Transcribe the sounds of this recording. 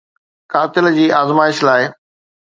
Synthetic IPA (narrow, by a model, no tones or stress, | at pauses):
kaːt̪ɪld͡ʑiːʔaːzmaːɪʃlaːɪ